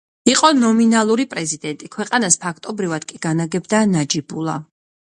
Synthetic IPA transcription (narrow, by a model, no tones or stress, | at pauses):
iqʼɔnɔminalˠuɾipʼɾɛzid̪ɛnt̪ʼikʰwɛqʼanaspʰakʰt̪ʼɔbɾivad̪̥kʼiɡ̥anaɡɛbd̪anad͡ʒibulˠa̰